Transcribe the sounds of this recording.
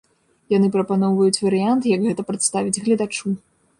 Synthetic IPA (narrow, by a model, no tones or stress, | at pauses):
janɨpɾɐpanɔwvɐjut͡sʲvɐɾɨjant̪jɐɡɣɛt̪ɐpɾɐt̪st̪avʲid͡zʲɣlʲɐd̪at͡ʂu